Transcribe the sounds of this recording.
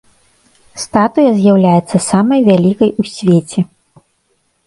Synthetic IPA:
st̪at̪ujɐzʲjawlʲajɛt̪sːɐsamɐjvʲalʲikɐjusʲvʲet͡sʲɛ

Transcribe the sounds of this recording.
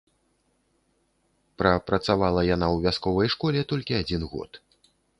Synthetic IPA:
pɾɐpɾɐt̪savalˠɐjanawvʲaskɔvɐjʂkɔlʲɛt̪ɔlʲkʲiad͡zʲinɣɔ̰t̪

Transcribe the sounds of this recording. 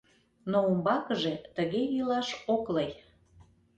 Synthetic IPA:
noumbɑkəʒet̪əɣejilɑʃokləj

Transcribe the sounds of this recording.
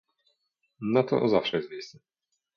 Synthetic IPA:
nat̪ɔ̰zafʂɛjɛst̪vʲmejst̪sɛ

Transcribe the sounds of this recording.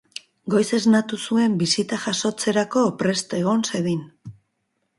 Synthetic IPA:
ɡo̞jse̞znat̪usue̞mbisit̪aʝaso̞t͡se̞ɾako̞pɾe̞st̪e̞ɣo̞nse̞ðin

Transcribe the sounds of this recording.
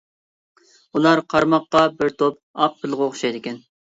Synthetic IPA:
ulˠɑɾqʰɑɾmɑqːɑbɪɾt̪ʰop̚ | ɑq̚bɪlˠʁʊχʰʊ̥ʃɑjd̪ɪkʲɛn

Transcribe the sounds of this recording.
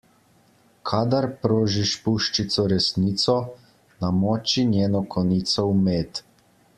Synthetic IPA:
kʰaːd̪aɾpɾoːʒiʃpuʃt͡ʃit̪sɔɾɛsniːt̪sɔ | namɔːt͡ʃinjeːnɔkʰɔnit̪sɔumeːt̪

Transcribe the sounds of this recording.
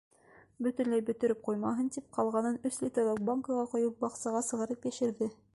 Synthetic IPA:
bɵ̆t̪ɵ̆nlæjbɵ̆t̪ɵ̆ɾɘp̚qujmɑɦɤnt̪ip̚qɑlˠʁɑnɤnɵslʲit̪olˠok̚baŋkɤʁɑqŏjɤp̚bɑqsɑʁɑsɤ̆ʁɤ̆ɾɤpjæʃɘ̆ɾðɘ

